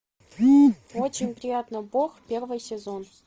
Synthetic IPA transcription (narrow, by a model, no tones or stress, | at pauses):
ot͡ɕːɪnʲprʲijat̪nəboχpʲervɨjsʲezon